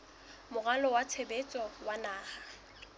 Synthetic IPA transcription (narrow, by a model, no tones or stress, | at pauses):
mʊɣalɔwat͡sʰebet͡sʼɔwanaːha